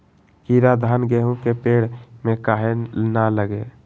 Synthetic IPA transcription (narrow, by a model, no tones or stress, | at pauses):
kiɾad̪ʱaːnɡeɦũkepeːɽ̤mẽkaɦenaləɡe